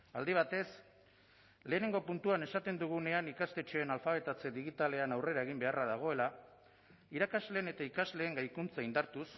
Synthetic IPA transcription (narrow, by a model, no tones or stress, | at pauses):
ald̪iβ̞at̪e̞s | le̞ːne̞ŋɡo̞punt̪uane̞sat̪e̞nd̪uɣ̞une̞anikast̪e̞t͡ʃe̞ːnalfaβ̞e̞t̪at͡se̞ðiɣit̪ale̞anawre̞ɾae̞ɣ̞imbe̞arað̞aɣ̞o̞e̞la | iɾakazle̞ːne̞t̪aikazle̞ːŋɡajkunt͡saind̪aɾt̪us